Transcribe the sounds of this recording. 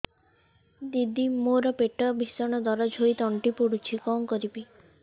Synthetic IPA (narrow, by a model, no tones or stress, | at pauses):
d̪id̪imoɾɔpeʈɔbʱisɔɽ̃ɔd̪ɔɾɔd͡ʒʱojt̪ɔɳʈipuɽut͡ʃʰikɔmkɔɾibi